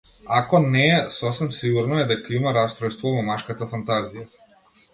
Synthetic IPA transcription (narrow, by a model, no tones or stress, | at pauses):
akɔnɛːsɔsɛmsiɡuɾnɔɛd̪ɛkaimaɾast̪ɾɔjst̪vɔvɔmaʃkat̪afant̪azija